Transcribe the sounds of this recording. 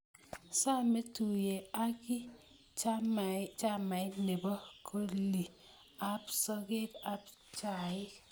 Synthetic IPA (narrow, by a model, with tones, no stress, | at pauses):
sa˦˨me˦tu˨je˨a˦kɪ˦ | t͡ʃa˦ma˨ɪ˦ne˨bɔ˦kʰo˦li˨ | a˦psɔ˦ɡe˦ta˦p | t͡ʃa˨ɪ˦